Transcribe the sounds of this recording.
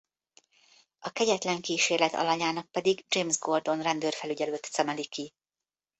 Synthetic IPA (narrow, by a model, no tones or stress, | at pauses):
ɒkɛɟɛt̪lɛŋkiːʃeːrlɛt̪ʰɒ̰lɒɲaːnɒk̚pɛd̪iɡd͡ʒeːmzɡo̞rd̪o̞nrɛnd̪øːrfɛlyɟɛløːt̪sɛmɛliki